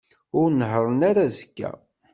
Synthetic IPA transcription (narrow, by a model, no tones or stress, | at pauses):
ʊɾnəɦɾˤənaɾazəkːæ̰